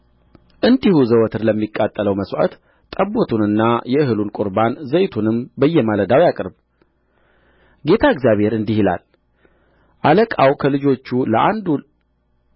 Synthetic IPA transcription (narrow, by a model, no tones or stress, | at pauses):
ʔɨnd̪ihuzəwɔt̪ʰɨɾləmːikʼːat̪ʼːələwməswa̰t̪ | t̪ʼəbot̪ʰunɨnːajɛɨɦɨlunkʼʊɾbanzəjt̪ʰunɨmbəjːɛmaləd̪awjakʼɨɾb | ɡe̞t̪ʰaɪɡzjaβhe̞ɾɨnd̪ihila̰l | ʔaləkʼawkʰəlɨd͡ʒo̞t͡ʃːuləʔand̪ul